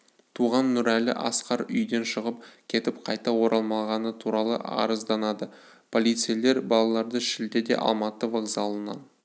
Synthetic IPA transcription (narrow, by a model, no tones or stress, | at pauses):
t̪ʰuʁɑnːʊɾælɪ̰ʔɑ̰sqɑɾʏjd̪e̞nʃəʁəp̚kʲʰe̞t̪ɪp̚qʰɑjt̪ɑwo̞ɾʔɑlˠmɑlˠʁɑnət̪ʰuɾɑlˠə̰ʔɑ̰ɾəzd̪ɑnɑd̪ə | pʰo̞lʲˠijt̪sɨjele̞ɾbɑlˠɑlˠɑɾd̪əʃɪld̪e̞d̪e̞̰ʔɑ̰lˠmɑt̪əvoɡzɑlˠənɑ̰n